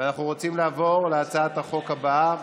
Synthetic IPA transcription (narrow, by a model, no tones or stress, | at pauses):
anaχnuʁo̞t͡simlaːvo̞ʁleat͡saat̪aχo̞khaba